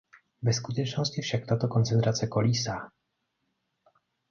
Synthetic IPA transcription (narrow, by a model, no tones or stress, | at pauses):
bɛskut̪ɛt͡ʂnɔsʲt͡ɕifʂakt̪at̪ɔkɔnt̪sɛnt̪ɾat̪sjɛkɔlʲisa